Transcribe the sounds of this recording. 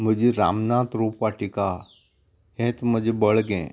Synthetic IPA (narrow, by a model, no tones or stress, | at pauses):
məd͡ʒʱeɾa̰ːmnaːt̪ɾoːpaʈɪkaː | ɦẽːt̪məd͡ʒebəɭɡḛ̃ː